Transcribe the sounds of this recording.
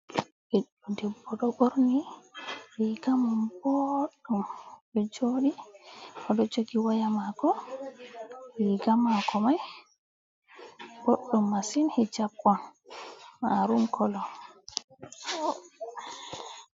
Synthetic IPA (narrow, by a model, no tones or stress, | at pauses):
ɛɗudɛbːɔɗɔɓoɾni | wiɡamumbɔɗːumɗɛd͡ʒoɗi | ɔɗɔd͡ʒoɡiwajamaɡɔ | wiɡamakɔmaj | boɗːumːasinhɛd͡ʒabɔn | maɾumkɔlɔ